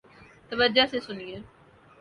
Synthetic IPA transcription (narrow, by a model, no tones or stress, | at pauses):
t̪əʋəɾd͡ʒasesʊnie